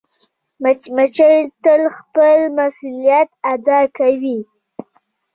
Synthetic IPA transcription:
mat͡ʃəjt̪əlxpəlmasulijat̪̚ad̪ɑkawi

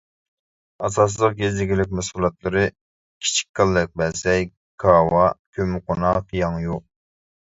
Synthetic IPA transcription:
ɑsɑs̬ɨlˠəq̚ɡʲezd̪ɪɡʲilɪk̚ʲmɛsulˠɑt̪lˠɨɾɨ | kʲʰi̥t͡ʃʰi̥kʲkːɑlˠːɨk̚ʲbɛsɛj | kʰɑwɑkʲʰømɨqʰonɑqjɑŋju

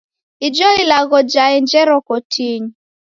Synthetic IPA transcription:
id͡ʒɔilaɣɔd͡ʒaɛnd͡ʒɛɾɔkɔtʰiɲ

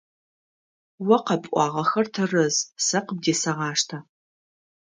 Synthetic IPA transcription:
wɐqɐpʼʷɑːʁɐxɐrtʰɨrɨzsɐqəb̚deːsɐʁɑːʂtʰa

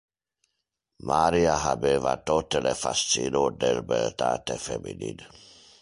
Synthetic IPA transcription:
maɾiaɦabevat̪ot̪elefast͡sinod̪ɛlbɛlt̪aːt̪efeminḭd̪

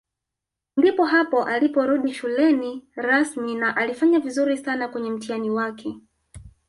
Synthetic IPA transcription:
ndipɔɦapɔʔalipɔɾuɗiʃulɛniɾasminaʔalifaɲavizuɾisanakwɛɲɛm̩tianiwakʰɛ

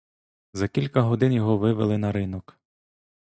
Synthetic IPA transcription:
zɐkʲilʲkɐɦɔd̪ɪnjɔɦɔʋɪʋelˠɪnɐɾɪnɔk

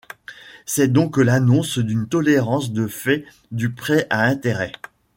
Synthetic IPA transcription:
sɛd̪ɔ̃klanɔ̃sd̪ynt̪ɔleʁɑ̃sd̪əfɛ | d̪ypχɛʔaɛ̃t̪eʁɛ

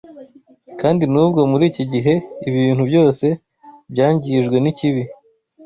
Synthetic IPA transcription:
kaːndinuβɡamuɾiːciɟiɦe̞iβiːn̥hubɟo̞ːse̞ | bjaːɲɟiʒɡwe̞niciβi

